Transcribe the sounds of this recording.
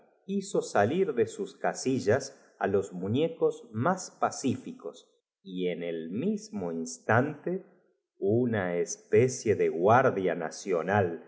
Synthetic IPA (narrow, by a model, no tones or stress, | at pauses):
iso̞saliɾðesuskasiʒas | a̰lo̞zmuɲekozmaspasifikos | ienelmizmoinst̪ant̪e | unaespesjeðeɣwaɾðjana̰sjonal